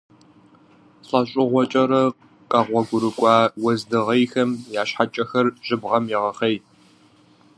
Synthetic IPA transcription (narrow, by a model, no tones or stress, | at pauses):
ɬʼɐɕʼɪʁʷɔt͡ʃʼɐɾɐ | qʼɐʁʷɔɡʷʊɾɨkʷʼɑːwɐzdɨʁɐjxɐmjaːɕħat͡ʃʼɐxɐrʒ̥ɪbʁɐmjɛʁɐχej